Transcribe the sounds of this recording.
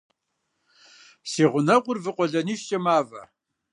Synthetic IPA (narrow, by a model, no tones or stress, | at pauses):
siːʁʷʊnɐʁʷʊrvɨqʷʼɔɮɐniːʃt͡ʃʼɐmaːvɐ̰